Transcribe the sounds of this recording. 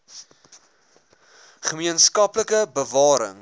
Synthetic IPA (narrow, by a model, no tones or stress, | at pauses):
χəmiənskɐpləkəbəvɑːɾə̰ŋ